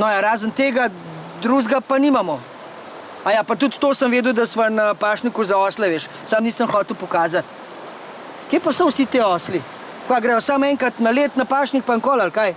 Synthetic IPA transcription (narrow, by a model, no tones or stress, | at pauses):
nɔjaɾaːzənt̪eːɡa | d̪ɾuʒɡapaniːmamɔ | ajapat̪ut̪ːoːsəmʋeːd̪uwd̪ɐsʋanapaːʃnikuzaɔslɛʋeːʃ | samniːsəmxɔːt̪əwpɔkaːzat̪ | keːpasɔwsit̪eːɔsli | aɡɾɛːjɔsamɛːŋkat̪nɐleːt̪napaːʃnik̚paŋkoːlalkaj